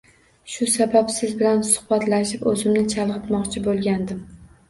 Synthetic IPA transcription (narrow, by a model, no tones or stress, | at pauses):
ʃʊsabapsɪzbɪlansʊ̥hbat̪laʃɪpɵzɪmnɪt͡ʃʰalˠʁɨt̪mɒqt͡ʃʰɪbolˠɡʲand̪ɪm